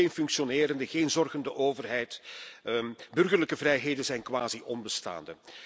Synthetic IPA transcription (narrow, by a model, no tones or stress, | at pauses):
eːnfʏŋksionɪːɾəndəɣeːnzɔrɣəndəʔoːvərɦɛjt | bɵrɣərləkəvrɛjɦeːdənzɛjnkʋaːziʔɔnbəsta̰ːndə